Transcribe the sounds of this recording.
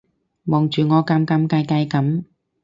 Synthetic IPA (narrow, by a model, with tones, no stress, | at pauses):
mɔː˨ŋt͡ʃyː˨˩ŋɔː˨˧kɐ˨˥mkɐ˨˥mkaː˧jka˧jkɐ˨˥m